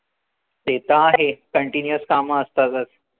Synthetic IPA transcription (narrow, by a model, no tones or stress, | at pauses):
t̪et̪aːɦekəɳʈinjəskamaːst̪azas